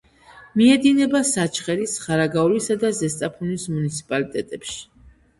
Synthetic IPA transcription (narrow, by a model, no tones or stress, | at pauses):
miɛd̪inɛbasat͡ʃʰχɛɾisχaɾaɡaulisad̪azɛst̪ʼapʰunismunit̪sʰi̥pʼalit̪ʼɛt̪ʼɛpʃi̥